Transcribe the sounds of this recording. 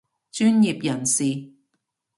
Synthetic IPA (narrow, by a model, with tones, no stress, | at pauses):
t͡ʃyː˥nji˨p̚jɐ˨˩nsiː˨